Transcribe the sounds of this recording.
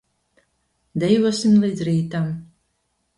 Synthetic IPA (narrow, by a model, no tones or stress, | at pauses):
d̪ɛjvuɔsʲimlˠiːd̪zɾiːt̪am